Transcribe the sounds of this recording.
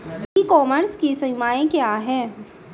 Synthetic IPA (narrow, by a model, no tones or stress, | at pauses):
iːkɔːməɾskisɐmaːẽkjaːɦɛː